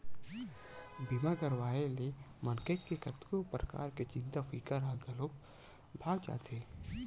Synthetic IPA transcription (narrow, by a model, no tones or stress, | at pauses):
bimakɐɾwaːelemɐnkekːekɐt̪kopɾəka̰ːɾket͡ʃɪ̃nt̪afiːkaɾaɦɡaloːk | bʱaːt͡ʃa̰ːt̪ʰeː